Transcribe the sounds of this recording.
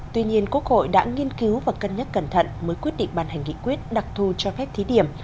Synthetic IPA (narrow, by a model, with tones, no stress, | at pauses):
t̪wi˧ɲi˧ənku˦˥ək̚ho̰˧˨jɗa̰ː˧˥ŋi˧ənki˨˦wvaː˨˩kə˧nɲə˦˥t̚kə˧˩nt̪ʰə̰˧˨nməː˨˦jkwi˦˥ət̚ɗḭ˧˨ŋ̟ɓaː˧˩nha˨˩ŋ̟ŋḭ˧˨kwi˦˥ət̚ɗa˨˩k̚t̪ʰu˨˩t͡ɕɔ˧fɛ˦˥p̚t̪ʰi˨˦ɗi˧˩əm